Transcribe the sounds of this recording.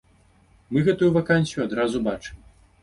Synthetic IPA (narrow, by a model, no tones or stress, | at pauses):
mɨɣɛt̪ujuvakanʲsʲjuad̪ɾazubat͡ʂɨm